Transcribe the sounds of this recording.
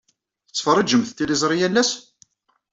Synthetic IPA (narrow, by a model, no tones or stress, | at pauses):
θət͡sːfəɾˤəd͡ʒəmθt̪ːilizˤɾˤijælːæs